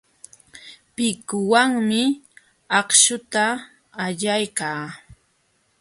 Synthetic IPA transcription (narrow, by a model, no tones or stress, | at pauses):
pɪkʊwaŋmɪ | ɑχʃʊt̪aː | ʎajkaː